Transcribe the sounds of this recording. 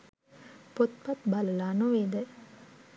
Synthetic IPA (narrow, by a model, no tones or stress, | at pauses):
pot̪̚pat̪baləlaːnoʋeːd̪ə